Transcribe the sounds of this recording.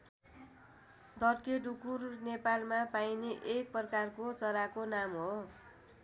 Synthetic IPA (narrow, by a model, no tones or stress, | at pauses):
d̪ʌrkeɖukurnepalmapajneʔek̚pʌkarkot͡sʌɾakonamɦo